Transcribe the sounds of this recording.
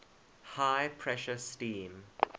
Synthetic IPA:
haɪpʰɹɛʃəstĩːm

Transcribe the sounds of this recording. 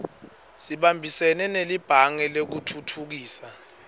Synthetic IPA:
siɓambʱisɛnɛnelib̥ʱaŋɛlek̬utʰutʰuk̬iːsa

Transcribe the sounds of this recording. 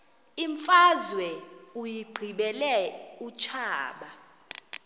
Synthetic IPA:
iɱfazwɛujiɡ͡ǀʱiɓɛlɛut͡ʃʰaːɓa

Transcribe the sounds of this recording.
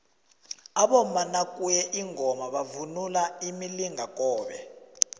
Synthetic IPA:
aɓɔmanakʼujɛʔiŋʱɔmaɓavunulaimiliŋʱakʼɔːɓɛ

